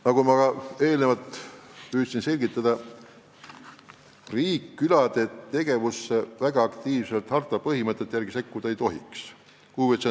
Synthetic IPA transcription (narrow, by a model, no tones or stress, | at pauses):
nɑɡumɑɡɑe̞ːlnevɑlt̪pyːt̪sinse̞lʲɡit̪ːˑɑd̪̥ɑ | riːkːylɑd̪̥e̞t̪e̞ɡ̥e̞vusːevæɡ̥ɑɑkt̪iːvse̞lt̪hɑrt̪ˑɑpɤɦimɤt̪ˑːet̪ːjærɡ̥ise̞kːud̪ɑejt̪o̞ɦḭks | kuːvit̪se